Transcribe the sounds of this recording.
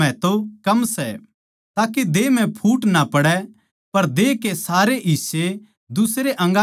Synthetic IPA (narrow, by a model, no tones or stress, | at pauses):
ɛ̃t̪okɐmsɛ̰ | t̪aːked̪eːm̤ɛ̃pʰuːʈnapɐɽɛ | pɐɾd̪eːkesaːɾeʔise | d̪ʊsɾeʔɐ̃ŋɡa